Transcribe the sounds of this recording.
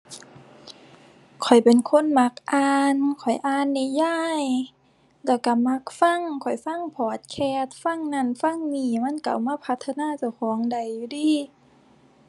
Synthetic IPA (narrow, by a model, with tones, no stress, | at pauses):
kʰɔ˨˩jpe˨nkʰo˧˥˨nma˧k̚ʔaː˧nkʰɔ˨˩jʔaː˧˨nːi˧˩jaː˧˥˨j | lɛ˧˩ka˧˩ma˧˥k̚fa˧˥˨ŋkʰɔ˨˩jfa˧˥˨ŋpʰɔː˨˩t̪̚kʰɛː˧˩t̪̚fa˧˥˨ŋna˧˩˨nfa˧˥˨ŋmiː˧˩ma˧˥˨nka̰˨˩wmaː˧˥˨pʰa˧t̪ʰːa˧naː˧˥˨t͡ɕa˧˩wkʰɔː˨˦ŋda˨˩jːu˧diː˧˥˩